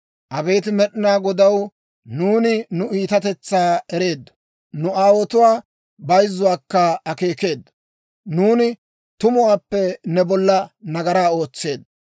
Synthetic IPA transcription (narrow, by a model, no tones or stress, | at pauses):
ʔɐbe̞ːt̪ɪmɛɗɪnaːɡɔd̪ɐw | nuːnɪnʊiːt̪ɐt̪ɛt͡sːaːɛɾe̞ːd̪ːɐ | nʊaːwɔt̪ʊwaː | bɐjzːʊwaːkːɐɐke̞ːke̞ːd̪ɐ | nuːnɪ | t̪ʊmʊwaːpːɛnɛbɔlːɐnɐɡɐɾaːo̞ːt͡sːe̞ːd̪